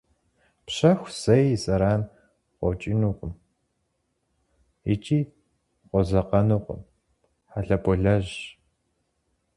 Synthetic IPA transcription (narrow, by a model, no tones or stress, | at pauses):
pɕɐxʷsɐjsʼɐɾaːn | qʷɔ̰t͡ʃʼinuːqʷʼʊm | ɪ̰t͡ʃʼiː | qʷɔzɐqɐnuːqʷʼʊ̰m | ħaɬɐpʰɔɮɐʑ